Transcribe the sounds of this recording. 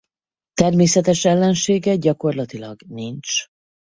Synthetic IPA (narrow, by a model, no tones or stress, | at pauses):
t̪ɛrmeːsɛt̪ɛʃɛlːɛnʃeːɡɛɟɒko̞rlɒt̪ilɒɡnint͡ʃ